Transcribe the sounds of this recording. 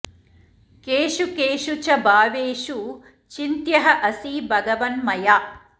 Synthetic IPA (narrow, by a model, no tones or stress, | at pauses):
keːʃukeːʃut͡ʃɐbaːʋeːʃu | t͡ʃint̪jɐɦɐʔɐsiːbʱɐɡɐʋɐnmɐjaː